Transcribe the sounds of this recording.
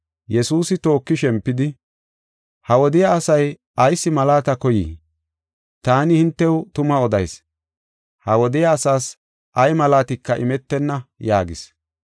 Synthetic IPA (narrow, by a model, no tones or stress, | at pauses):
jɛsuːsɪt̪o̞ːkːɪʃɛmpːɪd̪ɪ | hɐwɔd̪ɪjaːsɐj | ɐjsːɪmɐlaːt̪ɐkɔjḭː | t̪aːnɪhɪnt̪ːɛwt̪ʊmɐɔd̪ɐjs | hɐwɔd̪ɪjaːsaːs | ʔɐjmɐlaːt̪ɪkːɐʔɪ̰mɛt̪ːɛnːɐjaːɡɪs